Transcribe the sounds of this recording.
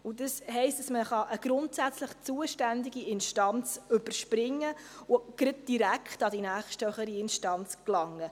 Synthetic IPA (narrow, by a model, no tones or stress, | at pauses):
ʊdəsɦɛɪstd̥ɑsməχɑʔəɡ̥ɾʊntsæt͡sləχt͡suəʃtændiɡiɪnʃtɑnt͡sɵb̥əɾʃpɾɪŋːəʊɡ̥ɾɪd̚d̥iɾækχtɑdinæːχʃtœχəɾiɪnʃtɑnt͡sklɑŋːə